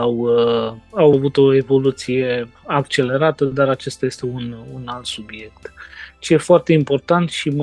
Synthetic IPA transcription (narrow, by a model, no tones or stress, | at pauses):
w | awavut̪o̞e̞vo̞lut̪sije̞akt͡ʃe̞le̞ɾat̪əd̪aɾat͡ʃest̪aje̞st̪e̞ununalt̪subie̞k̚t̪t͡ʃejefoart̪e̞impo̞rt̪ant̪ʃim